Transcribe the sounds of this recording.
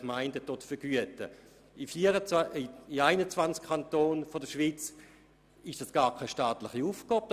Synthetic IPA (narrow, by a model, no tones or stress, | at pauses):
kmaɪndətotfəɡ̥yətə | ifiːəɾəiaɪnət͡svant͡skʰantoːnfodəʃʋit͡s | ɪʃd̥asɡ̥aːʁkʰaɪʃtaːtlɪχiuːfɡ̥ɑːb̚